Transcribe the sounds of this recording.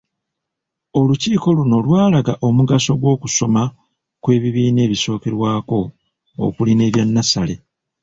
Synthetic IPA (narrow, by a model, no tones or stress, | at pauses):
o̞luciːko̞luno̞lwaːlaɡaʔo̞muɡaso̞ɡwo̞ːkuso̞ma | kwe̞ːβiβiːne̞ːβiso̞ːke̞ɾwaːko̞̰ː | kuline̞ːβjanːasale̞̰